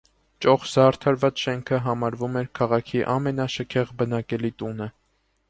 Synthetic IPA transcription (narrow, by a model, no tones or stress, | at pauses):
t͡ʃɔχzɑɾt̪ʰɑɾvɑt͡sʃɛŋkʰəɦɑmɑɾvumɛɾkʰɑʁɑkʰiʔɑmɛnɑʃəkʰɛʁbənɑkɛlit̪unə